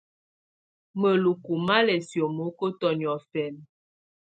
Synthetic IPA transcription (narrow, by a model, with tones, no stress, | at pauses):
mə˨lu˨ku˨ma˦lɛ˨sjo˨mo˦ko˦tɔ˨njɔ˨fɛ˨n